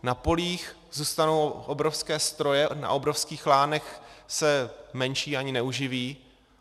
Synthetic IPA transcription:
napo̞liːx | zuːst̪ano̞wʔobɾofskɛːst̪ɾo̞jɛna̰ʔo̞bɾofskiːxlaːnɛxsɛmɛnʃiːaɲɪnɛuʒɪviː

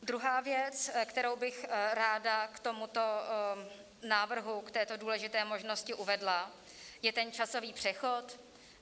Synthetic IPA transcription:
d̪ɾuɦaːvjɛt͡skt̪ɛɾowbɪxɾaːdakt̪o̞mut̪o̞ | naːvr̩ɦukt̪ɛːt̪o̞duːlɛʒɪt̪ɛːmo̞ʒno̞scɪʔuvɛdla | jɛt̪ɛnt͡ʃaso̞viːpr̝̥ɛxo̞t̪

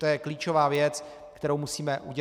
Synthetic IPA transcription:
t̪ojɛkliːt͡ʃo̞vaːvjɛt͡s | kt̪ɛɾowmusiːmɛʔuɟɛ

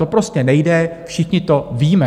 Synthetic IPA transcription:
t̪o̞pɾo̞scɛnɛjdɛfʃɪxɲɪt̪o̞viːmɛ

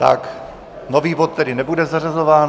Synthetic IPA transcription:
t̪a̰k | noviːvot̪ːɛdɪnɛbudɛzarazo̞vaːn

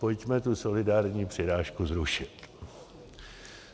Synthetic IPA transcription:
po̞cmɛt̪uso̞lɪdaːɾɲiːpr̥ɪɾaːʃkuzɾuʃɪt̪

